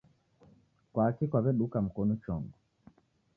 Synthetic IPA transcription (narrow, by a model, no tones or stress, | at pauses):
kwaːkikwaβɛɗukam̩kɔnut͡ʃɔŋɡɔ